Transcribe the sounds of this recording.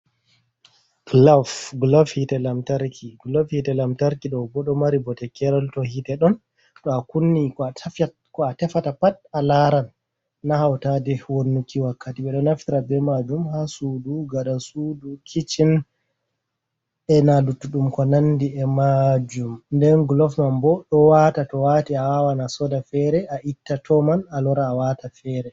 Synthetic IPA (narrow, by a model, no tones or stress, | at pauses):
ɡ̥lavɡlɔfhitɛlamtaɾkʰiɡlɔfhitɛlamtaɾkiɗɔbɔɗɔmaɾibɔtɛkɛɾɔltɔhitɛɗɔn | ɗɔakunːikɔ | kɔatɛfatapatalaɾanː | ahawtadɛwonːukʰːiwakʰːatiɓɛɗɔnaftiɾabɛmad͡ʒumhasuduɡaɗasudukʰit͡ʃin | ɛnalutːuɗumkɔnandiɛmad͡ʒumndɛnɡlɔfmanbɔɗɔwatatɔwatiawawanasɔdafɛɾɛaʔitːatʰɔmanalɔɾaːwatafɛɾɛ